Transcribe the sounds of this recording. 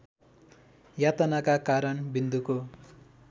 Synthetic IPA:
jat̪ʌnakakaɾʌnbind̪uko

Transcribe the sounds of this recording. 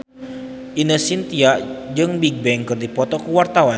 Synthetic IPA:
ʔinəsint̪iaʔd͡ʒɨŋbiɡ̚bɛŋkɨrdipɔt̪ɔkuwart̪awa

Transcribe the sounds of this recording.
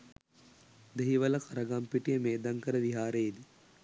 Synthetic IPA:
d̪eɦiʋɐlɐkɐɾɐɡampiʈijəmeːd̪aŋkəɾəʋiɦaːɾed̪i

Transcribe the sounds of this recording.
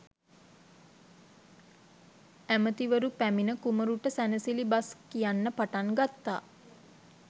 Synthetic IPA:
æmət̪iʋəɾupæminəkuməɾuʈəsænəsilibaskijanːəpaʈaŋɡat̪ːa̰ː

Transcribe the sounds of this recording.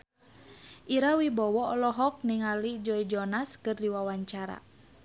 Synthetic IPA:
ʔiɾawibɔwɔɔlɔɦɔk̚niŋalid͡ʒɔid͡ʒɔnaskɨrdiwawaɲt͡ʃaɾa̰

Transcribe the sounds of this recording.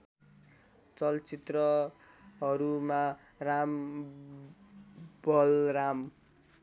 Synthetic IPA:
t͡sʌlt͡sit̪rʌ | ɦʌɾuma | ram | bʌlram

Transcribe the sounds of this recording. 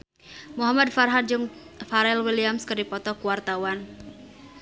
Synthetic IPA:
muɦamad̪farɦad̪̚d͡ʒɨŋ | faɾɛlwiliamskɨrdipɔt̪ɔkuwart̪awan

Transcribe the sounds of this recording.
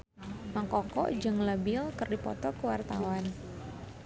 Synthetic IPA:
maŋkɔkɔ̰ʔd͡ʒɨŋləbɪlkɨrdipɔ̰t̪ɔkəwart̪a̰wan

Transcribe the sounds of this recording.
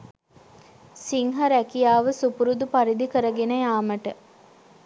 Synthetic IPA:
siŋɦɐɾækijaːʋəsupuɾud̪upaɾid̪ikəɾəɡenəjaːməʈə

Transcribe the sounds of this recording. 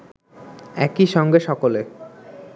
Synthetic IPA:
ɛkiʃɔŋɡeʃɔkole

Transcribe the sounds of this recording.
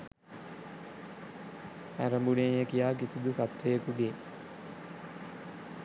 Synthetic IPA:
æ̰ɾəmbunejekijaːkisid̪usat̪ʋejəkuɡe

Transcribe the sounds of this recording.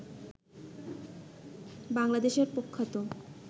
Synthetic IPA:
baŋlad̪eʃeɾpokʰːat̪o

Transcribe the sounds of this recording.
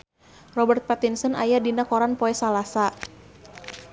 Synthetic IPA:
rɔbərt̪̚pat̪insənajadinakɔɾanpɔɛsalasa

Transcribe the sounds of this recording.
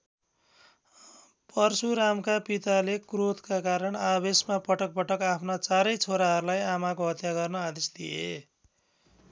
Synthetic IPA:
pʌrsuɾamkapit̪alekrot̪kakaɾʌɳabesmapʌʈʌk̚pʌʈʌkapʰnat͡saɾʌjt͡sʰoɾaɦʌɾulajamakoɦʌt̪jaɡʌrnʌad̪esd̪ijḛ

